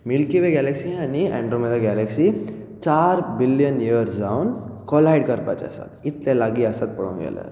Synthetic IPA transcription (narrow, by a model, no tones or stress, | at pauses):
milkiʋeɡɛlɛksiɦaniɛ̰̃ɳɖɾomed̪aɡɛlɛksi | t͡ɕaɾbiljənjiəɾsd͡zaunkɔlɦajɽkəɾpa̰t͡ɕə̰sa̰t̪it̪lelaɡiəsat̪̚pəɽõ̰nɡɛ̰lə̰ɾ